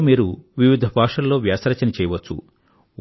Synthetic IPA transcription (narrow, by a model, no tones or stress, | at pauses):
miːɾuʋiʋid̪ʱɐbʱaːkʂɐlːo̞ːʋjaːsɾɐt͡ʃɐnit͡ʃɛːjɐʋɐt͡ʃːṵ